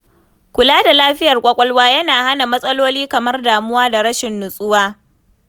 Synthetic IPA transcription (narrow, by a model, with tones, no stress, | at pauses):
kʷʊ˨laː˦da˨laː˦ɸɪ˦jɐ˨rkʷʼɐ˦kʷʼɔ˦lwaː˦jɐ˦naː˨ha˦na˨mɐ˦sʼɐ˦loː˦liː˦kɐ˨mɐ˦rdaː˨mʊ˦waː˦da˨ɾɐ˦ʃɪ˨nːʊ˨sʼʊ˦waː˦